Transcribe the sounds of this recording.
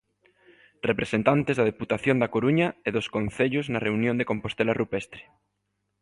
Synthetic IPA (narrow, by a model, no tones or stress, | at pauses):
repɾesent̪ant̪ezðaðeput̪aθjond̪akoɾuɲaeðoskõnθeʎoznareunjõnd̪ekõmpost̪elarupest̪ɾe̥